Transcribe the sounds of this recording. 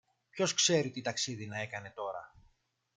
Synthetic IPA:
pço̞skse̞ɾit̪it̪ɐksiðinɐe̞kɐne̞t̪o̞ɾɐ̰

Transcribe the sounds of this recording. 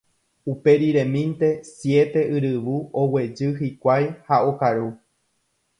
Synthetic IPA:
upe̞ɾiɾẽ̞mĩnt̪e̞sje̞t̪e̞ʔɨɾɨʋuowe̞d͡ʒɨhikʷajhaokaɾu

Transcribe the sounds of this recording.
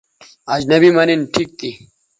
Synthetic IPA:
ad͡ʑnɐbimɐninʈʰik̚t̪ʰi

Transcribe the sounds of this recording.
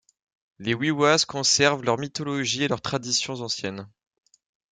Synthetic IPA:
lewiwazkɔ̃sɛʁvlœʁmit̪ɔlɔʒielœʁt̪χad̪isjɔ̃zɑ̃sjɛn

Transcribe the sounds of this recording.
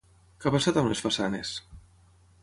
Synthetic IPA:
kapasat̪amnesfasanes

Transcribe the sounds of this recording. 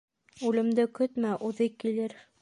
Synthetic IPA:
ʉlɘ̆md̪ɘkɵt̪mæʔuðɤkilɘɾ

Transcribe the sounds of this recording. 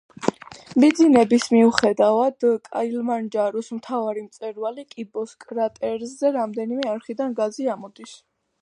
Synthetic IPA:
mid̪zinɛbismiuχɛd̪avad̪kʼa̰ilmand͡ʒaɾɔsmt̪ʰavaɾimt̪sʼɛɾvalikʼibɔskʼɾat̪ʼɛɾzɛɾamd̪ɛnimɛaɾχid̪anɡaziamɔd̪is

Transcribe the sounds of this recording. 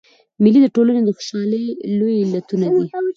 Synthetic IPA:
mɪlid̪əʈolaned̪əxʊ̥ʃɑləjlojɪlat̪unad̪i

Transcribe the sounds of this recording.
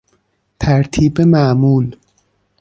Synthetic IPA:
t̪ʰæɾt̪ʰiːbemæmuːl

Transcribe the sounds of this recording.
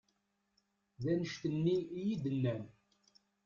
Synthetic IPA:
ðænəʃt̪ənːiijid̪ənːæn

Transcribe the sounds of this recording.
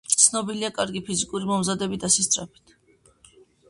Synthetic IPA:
t̪sʰnɔbiliakʼaɾɡipʰizikʼuɾimɔmzad̪ɛbit̪ʰasɛst̪sʼɾapʰi̥t̪ʰ

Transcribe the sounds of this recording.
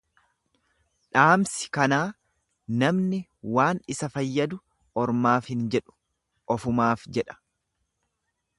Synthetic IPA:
ᶑaːmsɪ̥kɐnaː | nɐmnɪwaːnɪsɐfɐjːɐd̪ʊ | ɔɾmaːfhɪnd͡ʒɛᶑʊ̥ | ʔɔfʊmaːfd͡ʒɛᶑɐ̥

